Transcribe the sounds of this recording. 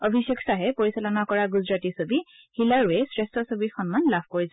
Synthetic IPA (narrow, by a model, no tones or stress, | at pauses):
ɔbʱisekʰsaɦɛpoɹisalɔnakɔɹaɡuzɹatisobi | xilaɹɛsɹɛstɔsobixɔnmanlabʰkoɹis